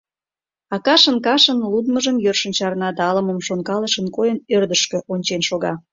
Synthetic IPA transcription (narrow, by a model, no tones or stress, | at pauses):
ɑkɑʃənkɑʃənlud̪məʒəmjørʃə̆nʲt͡ɕɑrnɑd̪ɑɑlə̆məmʃoŋkɑləʃənkojənørd̪əʃkø̆ʔonʲt͡ɕenʃoɣɑ